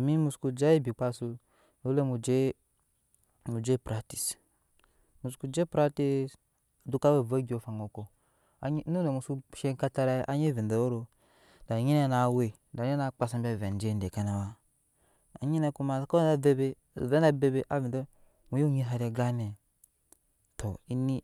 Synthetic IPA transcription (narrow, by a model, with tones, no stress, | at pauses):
mi˦mu˨sku˧d͡ʒa˦e˦bi˨k͡pa˧su˧ | no˨˦le˦mu˨d͡ʒe˦ | mu˨d͡ʒe˦pɾa˦ti̥˨s | mu˨sku˨d͡ʒe˦pɾa˦ti˦s | du˦ka˦we˦˨va˦ɡi˨˦o˨fa˨ŋo˨ko˨ | a˦nu˦ne˨mu˨su˦ʃe˦ŋka˦ta˧ɾa˦ʔa˦ɲe˦˨vi˨do˨o˦ɾo˨ | da˨ɲi˦ne˦na˨we˨ | da˨˦e˦na˨k͡pa˨sa˦mbʲa˦˨vɛ˨n˨˦d͡ʒe˦n˦de˨ka˨na˨wa˦ | a̰˨ɲi˦ne˨ku˦ma˨˦ko˦a˨be˦be˦˨ | ve˦da˦be˦be˦ʔa˦vi˨ndo˦ | mu˨˦jo˦ɲi˦ɦa˨ɾe˨ɡa˦ne˨ | tʰo˨i˦ni˦